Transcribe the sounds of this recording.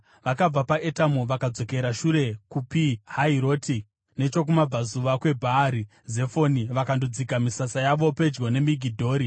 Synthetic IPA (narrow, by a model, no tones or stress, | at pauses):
ʋakab͡vapaʔetamoʋakad͡zo̞ke̞ɾaʃuɾe̞kupihaiɾo̞ːti | ne̞t͡ʃo̞k̬umab͡vazuʋakwe̞bʱaːɾi | ze̞fo̞niʋakandod͡zikamisasajaʋo̞pe̞d͡ʒɡo̞ne̞miɡʱidʱo̞ːɾi